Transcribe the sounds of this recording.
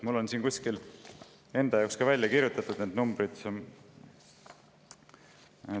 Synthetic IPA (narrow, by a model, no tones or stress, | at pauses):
mulːo̞nsiːnkusʲkil | e̞nd̪ɑjɑwkskɑvælʲjɑkiɾjut̪ːˑɑt̪ˑud̪̥ned̪numbɾid̪̥